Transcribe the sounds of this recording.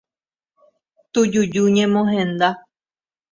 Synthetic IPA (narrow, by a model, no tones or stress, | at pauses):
t̪ud͡ʒud͡ʒuɲẽmõɦẽnd̪a